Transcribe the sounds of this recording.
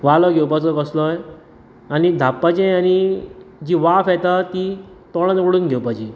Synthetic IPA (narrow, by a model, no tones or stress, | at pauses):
ʋalɔɡʱewpat͡sɔkəslɔj | anid̪ʱapːat͡ɕiañid͡ʑiʋafjɛt̪at̪i | t̪ɔɭ̃ãnəkɽuːnɡʱewpat͡ɕi